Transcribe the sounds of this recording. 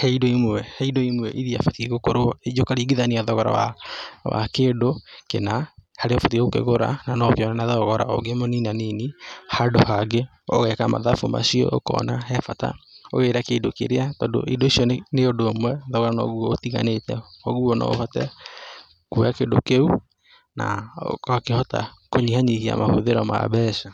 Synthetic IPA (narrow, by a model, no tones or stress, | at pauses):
hɛidoimwɛhɛidoimwɛʔiðia̰fatiɣokoɾoed͡ʒokaɾiɡiðaniaðɔɣɔɾa̰wawa̰keːdokenahaɾeɔfatiɣokḛɣoɾa̰nanɔkeɔnanaðɔɣɔɾa̰ɔ̰ɡemoninaninihadohaɡe | ɔ̰ɣɛkama̰ðafoma̰siɔ̰ʔokɔ̰nahɛfata̰o̰ɣeɾakeidokḛɾeatɔdo̰ʔidoisiɔneodomwɛðɔɣɔɾanɔɣuɔotiɣa̰netɛɔɣuɔnɔ̰hɔtɛ | kujakedo̰keu | na̰akehɔta̰ | koɲihaɲihia̰mahoðeɾɔma̰βɛsa